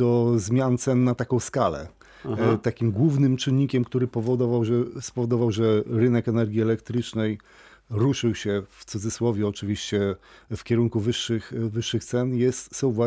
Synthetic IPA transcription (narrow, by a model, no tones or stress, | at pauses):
ɔzmʲjant̪sɛnːat̪akɔ̃w̃skalɛ̰ | t̪akʲimɡwuvnɘmt͡ʂɘnːikʲɛmkt̪uɾɘpɔvɔd̪ɔvawʐɛspɔvɔd̪ɔvawʐɛɾɘnɛkɛnɛɾɡʲiɛlɛkt̪ɾɘt͡ʂnɛj | ɾuʂɘwɕɛft̪sud̪zɘswɔvʲjuɔt͡ʂɘvʲiɕt͡ɕɛfkʲɛɾuŋkuvɘʂːɘxvɘʂːɘxt̪sɛnjɛst̪sɔ̃w̃vwa